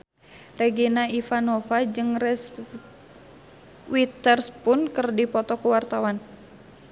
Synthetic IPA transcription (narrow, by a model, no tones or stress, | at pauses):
rɛɡinaifanofad͡ʒɨŋrɛs | wit̪ərspʊnkɨrdipɔt̪ɔkuwart̪awan